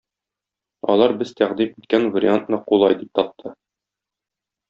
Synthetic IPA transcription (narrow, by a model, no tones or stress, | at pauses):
ɒ̰lˠɑɾbɘz̥t̪æʁd̪imit̪̚kænvɐɾʲɪ̰ant̪nɤqulˠɑjd̪ip̚t̪ɒp̚t̪ʰːɤ